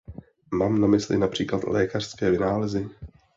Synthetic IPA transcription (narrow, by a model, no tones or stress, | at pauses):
maːmnamɪslɪ̰napr̝̥iːklat̪lʔɛːkar̥skɛːvɪnaːlɛzɪ